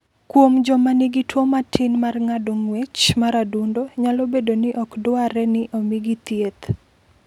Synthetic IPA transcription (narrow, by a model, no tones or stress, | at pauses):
kwomd͡ʒɔmanɪɡitwomatʰɪnmarŋadoŋwet͡ʃmaɾadundoɲalobedonɪʔɔkdʊaɾɛnɪʔomiɡit̪jet̪